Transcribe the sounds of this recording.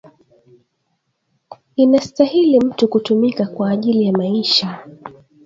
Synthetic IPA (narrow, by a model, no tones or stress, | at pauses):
inastahilim̩tukutumikakwaːʄilijamaiʃa